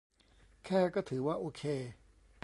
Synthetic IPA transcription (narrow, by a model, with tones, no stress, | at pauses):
kʰɛː˥˩kɔː˥˩t̪ʰɯː˩˦waː˥˩ʔoː˧kʰeː˧